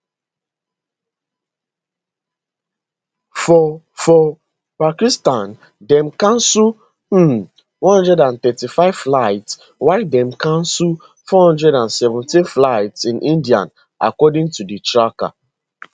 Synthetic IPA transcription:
fɔ | fɔ | pakistãn | dɛ̃mkãnsu | wɔ̃nhɔ̃ndɹɛdãnt̪ɛtifaɪv̥flaɪts | waɪdɛ̃mkãnsu | fɔhɔ̃ndɹɛdãnsɛvũntĩnflaɪtsĩnʔĩndiã̰n | a̰kɔdĩŋtuditɹaka̰

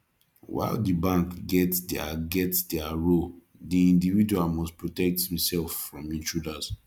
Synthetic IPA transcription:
wa̰ɪldibãŋkɡɛtda̰ɡɛtdɛaɹo | diĩndividuamɔspɹotɛk̚thĩsɛlfːɹɔ̃mĩt͡ʃudas

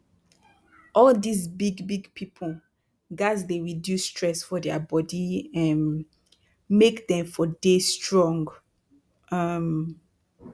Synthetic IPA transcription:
ɔldisbiɡbiɡpʰipʰl | ɡazdeɹidustʰɹɛsfɔðɛəbɔdiɛ̃n | mekdɛ̃mfɔdestɹɔ̃ŋɡ | ʌm

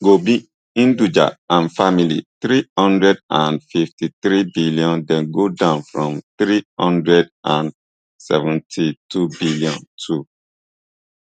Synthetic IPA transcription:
ɡobi | ĩndud͡ʒa̰ãnfamilḭθɾihɔ̃ndɹɛdãnfiftʰiθɹibiliɔ̃ndɛ̃nɡodãʊ̃nfɹɔ̃mθɹihɔ̃ndɹɛdʔãn | sɛ̰vɛ̃ntʰitʰubiliɔ̰̃ntʰu

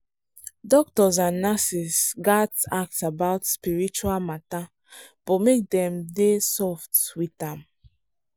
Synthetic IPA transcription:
dɔk̚tɔzãnːasisɡatak̚tabaʊtspiɹit͡ʃualmata | b̥ɔmek̚dɛ̃mdesɔftwitãm

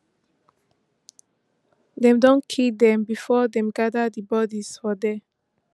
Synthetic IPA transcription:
dɛ̃mdõnkʰildɛ̃mbifɔdɛ̃mɡadadibɔdiz̥fɔdɛ

